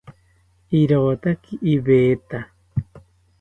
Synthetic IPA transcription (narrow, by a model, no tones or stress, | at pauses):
iɾoːt̪akiʔiβeːt̪a